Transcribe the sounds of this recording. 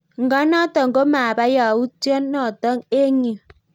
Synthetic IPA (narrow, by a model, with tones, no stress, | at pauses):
ŋ̩˨ɡa˦nɔ˦tɔ˨ŋ˨ɡo˦maː˨ba˦ja˨u˦to˦nːɔ˨tɔ˦ŋe˦ɲi˨